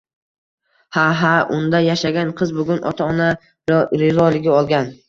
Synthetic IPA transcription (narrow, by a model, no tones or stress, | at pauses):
haɦaʔʊnd̪ajaʃaɡʲanqʰɨzbʊɡʲʊnʔɒ̰t̪ʰaɒna | ɾɪzɒlɪɡʲɪɒlˠɡʲan